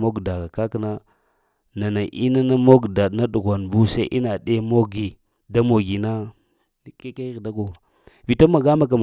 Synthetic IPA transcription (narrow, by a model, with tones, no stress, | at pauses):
mo˦ɡda˨ɡa˨ka˦kna˦ | na˨na˨ʔi˦na˦na˦mo˦ɡda˨na˦ɗu˨ɣʷa˨nbu˦sa˦ʔḭ˦na˨ɗe˦mo˦ɡi˨ | da˦mo˨ɡi˨na˦ | ke˦ka˦ɣda˦ko˨ | vi˨to˦ma˨ɡa˦ma˨k̬a˨m˨